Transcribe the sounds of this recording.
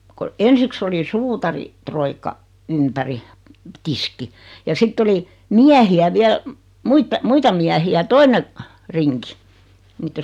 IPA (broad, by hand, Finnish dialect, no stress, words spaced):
ko ensiks oli suːtɑri troikːɑ ympæri tiski jɑ sitː oli miæhiæ ʋiæl muitɑ muitɑ miæhiæ toine riŋki niːtːe